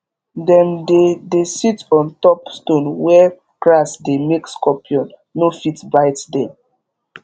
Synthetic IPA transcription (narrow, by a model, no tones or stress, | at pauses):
dɛ̃mdedesitɔ̃ntɔpstõnwɛ | kɹasdemekskɔpʰiɔ̃nː | ofitbaɪtdɛ̃m